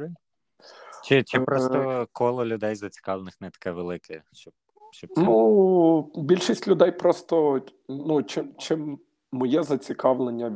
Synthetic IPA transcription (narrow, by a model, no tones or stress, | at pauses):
t͡ʃɪt͡ʃɪpɾɔst̪ɔkɔlˠɔlʲʊd̪ɛjzɐt͡sʲi̥kɑʋlˠenɪxnɛt̪ɐ̥kɛʋelˠɪkʰɛʃt͡ʃɔb̚ | ʃt͡ʃɔnu | bʲilʲʃisʲtʲlʲʊd̪ɛjpɾɔst̪ɔ | nut͡ʃɪmt͡ʃɪmː | ɔjɛzɐt͡sʲikɑʋlˠenʲːɐ